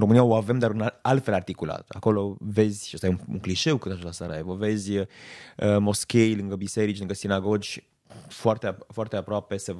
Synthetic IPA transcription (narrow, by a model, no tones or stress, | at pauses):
romɨnijaoave̞md̪aɾɨnaalt̪fe̞lart̪ikula̰t̪a̰ko̞lo̞ve̞zʲʃəst̪ajeuṵŋkliʃe̞wkɨt̪at͡ʃolasaɾaevəve̞zʲəəmo̞skʲejlɨŋɡəbise̞ɾit͡ʃlɨŋɡəsinaɡo̞d͡ʒʲ | foart̪eafoart̪eapɾoape̞se